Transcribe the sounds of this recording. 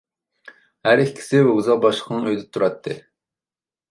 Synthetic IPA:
hæɾikʰʲkʲʰi̥sɪbɛuzɑq̚bɑʃlə̥qʰənəŋøjd̪ɛt̪ʰuɾɑt̪ʰːɨ

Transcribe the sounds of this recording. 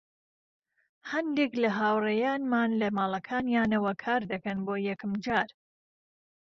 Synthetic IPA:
hɐnd̪eklɐɦaːwrejaːnmaːnlɐmaːlˠɐkʰaːnjaːnɐwɐkʰaːɾd̪ɐkɐnboːjɛkɨmd͡ʒaːɾ

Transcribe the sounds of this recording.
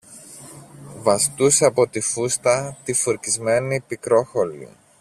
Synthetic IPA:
vɐst̪useɐpo̞t̪ifust̪ɐt̪ifuɾcizme̞nipikɾo̞xo̞lḭ

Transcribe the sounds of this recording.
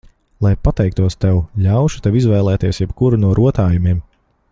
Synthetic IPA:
lˠajpat̪ɛjk̚t̪uɔst̪ewlʲawʃu̥t̪ɛwizvɛːlˠɛːt̪iɛsjɛbkuɾunuɔɾʔuɔt̪aːjumiɛm

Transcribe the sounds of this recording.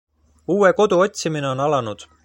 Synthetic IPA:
uːe̞ko̞d̪̥uo̞t̪ʲsimine̞o̞nɑlɑnud̪̥

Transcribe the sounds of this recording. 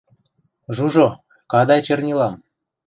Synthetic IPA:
ʒuʒo | kɑd̪ɑjt͡ɕɤ̆rnʲilɑm

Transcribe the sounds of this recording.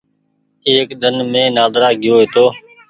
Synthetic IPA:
eːkd̪ənmẽːnaːd̪ɾaːɡɪjoːɦeːt̪oː

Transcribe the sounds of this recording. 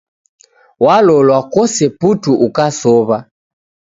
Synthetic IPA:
walɔlwakɔsɛputuʔukasɔβa

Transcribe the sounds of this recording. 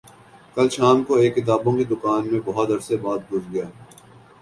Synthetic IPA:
kɐlʃaːmkoeːkːɪt̪̬aːbõked̪ʊkaːnmẽbɐɦɔt̪ɐɾsebaːt̪̚ɡʱʊd͡ʒɡɐjaː

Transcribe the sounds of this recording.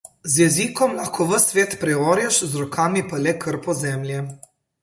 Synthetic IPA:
zjɛziːkɔmlaxkɔʋəsʋeːt̪pɾɛɔːɾjɛʃzɾɔkʰaːmipalɛkʰəɾpɔzɛːmlʲjɛ

